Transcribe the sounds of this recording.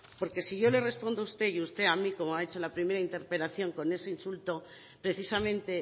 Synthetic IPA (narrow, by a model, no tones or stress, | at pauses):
po̞ɾke̞siʝo̞le̞re̞spo̞nd̪oust̪e̞iust̪e̞amiko̞moaet͡ʃo̞lapɾime̞ɾaint̪e̞ɾpe̞laθjo̞ŋko̞ne̞se̞insult̪o̞ | pɾe̞θisamẽ̞nt̪e̞